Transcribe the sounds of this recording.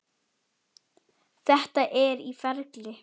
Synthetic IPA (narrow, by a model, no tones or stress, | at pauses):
θɛht̪aʔɛɾifɛɾklɪ